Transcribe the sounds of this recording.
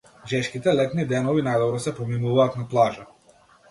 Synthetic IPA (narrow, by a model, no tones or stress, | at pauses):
ʒɛʃkit̪ɛlɛt̪nid̪ɛnɔvinajd̪ɔbɾɔsɛpɔminuvaːt̪naplˠaʒa